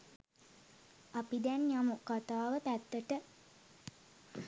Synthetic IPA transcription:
apid̪ænjamukat̪aːʋəpæt̪ːəʈə

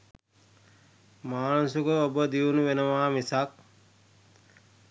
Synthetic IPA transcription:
maːnusukəobəd̪iunuʋenəʋaːmisak̚

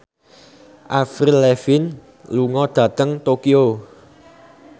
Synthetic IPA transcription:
ʔafɾilɛfɪn | luŋɔd̪̥ä̤t̪əŋt̪okio

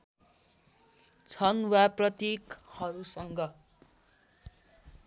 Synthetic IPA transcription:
t͡sʰʌnwaprʌt̪jekhʌɾusʌŋɡʌ

